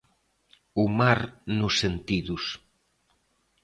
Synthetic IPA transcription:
umaɾnʊsːent̪iðus

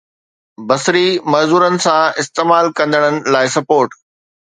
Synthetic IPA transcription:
bɐsɾimɐzuːɾənɪ̆sãɪst̪eːmaːlkɐ̃nd̪əɽ̃ənɪ̆laːɪsɐpoːɾʈ

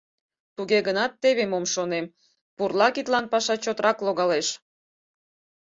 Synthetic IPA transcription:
t̪uɣeɣənɑt̪ːeβemomʃonem | purlɑkit̪lɑnpɑʃɑt͡ɕot̪əɾɑkloɣɑleʃ

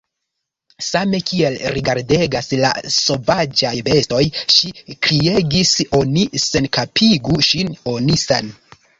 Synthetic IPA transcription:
same̞kʰielɾiɡaɾde̞ɡasla̰so̞vad͡ʒajbe̞sto̞jʃikɾie̞ɡiso̞nise̞nkapʰiɡuʃino̞nisan

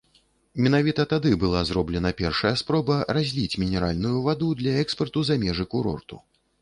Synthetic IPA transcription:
mʲɛnavʲit̪ɐt̪ad̪ɨbɨlˠazɾɔblʲɛn̪ɐpʲɛrʂɐjɐspɾɔbɐrazʲlʲit͡sʲmʲinʲɛɾalʲnujuvad̪ud̪lʲɐɛkspɐrt̪uzamʲɛʐɨkuɾɔ̰rt̪u

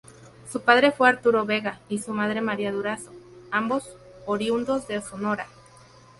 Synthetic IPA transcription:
supaðɾe̞fweaɾt̪uɾo̞βe̞ɣaisumaðɾe̞maɾiaðuɾasoambo̞s | oɾjund̪o̞zðe̞sonoɾa

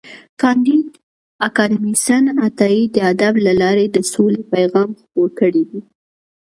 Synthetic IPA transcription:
kɑnd̪id̪ | akɑd̪imisanat̪ɑid̪əad̪ablalɑɾed̪əsolepajɣɑmxpoɾkəɽidi

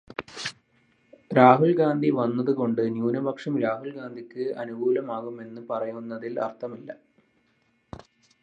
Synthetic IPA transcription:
ɾaːɦuɭɡaːnd̪ʱiʋɐnːɐðɨko̞ɳɖɨnjuːnɐbʱɐkʂɐmɾaːɦuɭɡaːnd̪ʱikʲːɨɐnuɡuːlɐmaːɣume̞nːɨpɐrɐjunːɐðilɐ̰rt̪ʰɐmilːɐ̰

